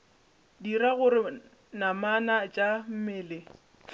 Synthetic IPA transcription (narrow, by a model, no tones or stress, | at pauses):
diɾaɣʊɾɪ | namanat͡ʃʼam̩mɪːlɪ